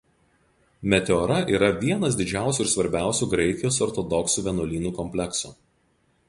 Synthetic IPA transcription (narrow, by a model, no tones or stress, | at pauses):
mʲɛt̪ʲɛɔɾɐʔiːɾɐʋʲiɛnɐs̬d̪ʲɪd͡ʒʲæˑʊsʲuːɪɾsʋɐɾʲbʲæˑʊsʲuːɡɾʲɛɪkʲɪjoːsɔɾt̪ɔd̪ɔksuːʋʲɛnɔlʲiːnuːkɔmʲpʲlʲɛksṵː